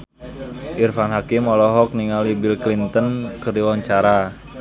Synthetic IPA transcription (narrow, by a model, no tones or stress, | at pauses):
ʔirfanɦakimɔlɔɦɔk̚niŋalibilklint̪ənkɨrdiwaɲt͡ʃaɾa